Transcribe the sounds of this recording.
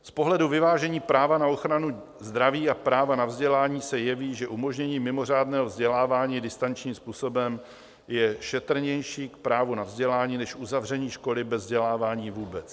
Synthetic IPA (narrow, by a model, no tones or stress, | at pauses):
spo̞ɦlɛduvɪvaːʒɛɲiːpɾaːvanao̞xɾanu | zd̪ɾaviːapɾaːvanavzɟɛlaːɲiːsɛjɛviːʒɛʔumo̞ʒɲɛɲiːmɪmo̞r̝aːdnɛːɦovzɟɛlaːvaːɲiːdɪst̪ant͡ʃɲiːmspuːsobɛm | jɛʃɛt̪ɾ̩ɲɛjʃiːkpɾaːvunavzɟɛlaːɲiːnɛʃʔuzavr̝ɛɲiːʃko̞lɪbɛzvzɟɛlaːvaːɲiːvuːbɛt͡s